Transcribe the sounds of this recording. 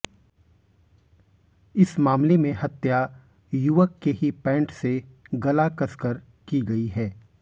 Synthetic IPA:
ɪsmaːmlemẽɦɐt̪ja | jʊʋəkːeɦipɛ̃ːɳʈseɡɐlakɐskəɾ | kiɡɐiɦɛː

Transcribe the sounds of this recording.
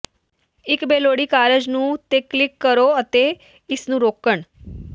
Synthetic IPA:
ɪkbeːloːɽiːkaːɾəd͡ʒnũːt̪eːkːlɪkːəɾoːət̪eː | ɪsnũːɾoːkəɳ

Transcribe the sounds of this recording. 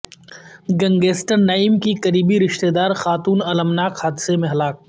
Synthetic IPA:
ɡɐ̃ŋɡeːsʈəɾnaːɪmkikɐɾiːbiɾɪʃt̪eːd̪aːɾxaːt̪uːnɐləmnaːkhaːd̪ɪsemẽɦɐlaːk̚

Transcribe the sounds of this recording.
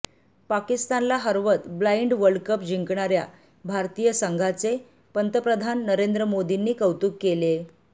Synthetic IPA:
pakist̪anlaɦəɾʋət̪blaiɳɖʋəɭkəpd͡ʑiŋkɳaɾja̰ | bʱaɾt̪ijəsəŋɡʱat͡se | pənt̪əpɾəd̪ʱanːəɾend̪ɾəmod̪inːiːkəwt̪uːkːele

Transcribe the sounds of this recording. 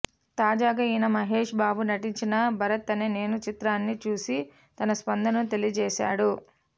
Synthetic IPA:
t̪aːd͡ʒaːɡaːinɐmɐɦeːʂbaːbunɐʈiɲt͡ʃinɐbʱɐɾɐt̪ːɐnene̞ːnut͡ʃit̪ɾaːnːit͡ʃuːsi | t̪ɐnɐspɐnd̪ɐnɐmt̪e̞lijɐd͡ʒɛːʃa̰ːɽu

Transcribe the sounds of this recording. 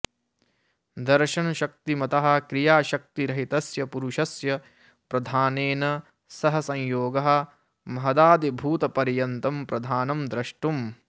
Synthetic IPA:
d̪ɐɾʃɐnɐʃɐk̚t̪imɐt̪ɐɦɐ̆kɾijaːʃɐk̚t̪iɾɐɦit̪ɐsjɐpuɾuʃɐsjɐ | pɾɐd̪ʱaːneːnɐ | sɐɦɐsɐ̃jjoːɡɐɦɐ̆ | mɐɦɐd̪aːd̪ibʱuːt̪ɐpɐɾjɐnt̪ɐmpɾɐd̪ʱaːnɐmd̪ɾɐʂʈum

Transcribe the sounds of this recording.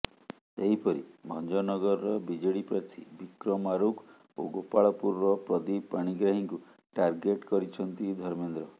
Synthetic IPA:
seɦipɔɾḭbʱɔnd͡ʒɔnɔɡɔɾɔɾɔbid͡ʒeɽipɾɔt̪ʰḭbikɾɔmaɾukʰ | oɡopaɭɔpuɾɾɔpɾɔd̪ipaɽ̃iɡɾaɦiŋku | ʈaɾɡeʈkɔɾit͡ʃʰɔnt̪id̪ʱɔɾmend̪ɾɔ

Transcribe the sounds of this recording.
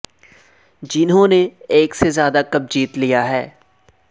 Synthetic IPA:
d͡ʒɪnɦõːneeːksezjaːd̪akɐb̚d͡ʒiːt̪lijaɦɛː

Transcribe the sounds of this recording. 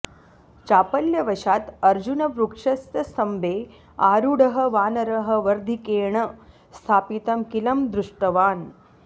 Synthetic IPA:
t͡ʃaːpɐljɐʋɐʃaːt̪ɐɾd͡ʒunɐʋɾukʂɐst̪jɐsɐmbeː | aːɾuɽɐɦɐ̆ʋaːnɐɾɐɦɐ̆ʋɐɾd̪ʱikeːɳɐ | st̪ʰaːpit̪ɐmkilɐmd̪ɾuʂʈɐʋaːn

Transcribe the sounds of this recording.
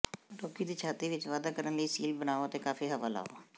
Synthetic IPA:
ɾoːkiːd̪iːt͡ʃʰaːt̪iːʋɪt͡ʃʋaːd̪aːkəɾənləiːsḭːlbənaːoət̪eːkaːfiːɦəʋa̰ːla̰ːo̰ː

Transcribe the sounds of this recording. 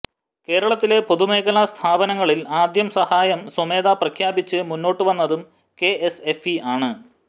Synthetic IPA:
ke̞ːɾɐɭɐt̪ːile̞po̞ðume̞ːɣɐlɐst̪ʰaːbɐnɐŋːɐɭilaːd̪jɐmsɐhaːjɐmsome̞ːd̪aprɐkʰjaːbit͡ɕːɨmunːo̞ːʈːɨʋɐnːɐðum | ke̞ʔesefiaːɳɨ

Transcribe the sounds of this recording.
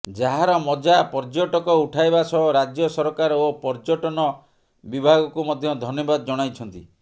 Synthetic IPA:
d͡ʒaɦaɾɔmɔd͡ʒapɔɾd͡ʒoʈɔkɔuʈʰajbasɔɦɔɾad͡ʒjɔsɔɾɔkaɾopɔɾd͡ʒɔʈɔnɔ | bibʱaɡɔkumɔd̪ʱjɔd̪ʱɔnjɔbad̪ɔd͡ʒɔɽ̃ajt͡ʃʰɔnt̪ḭ

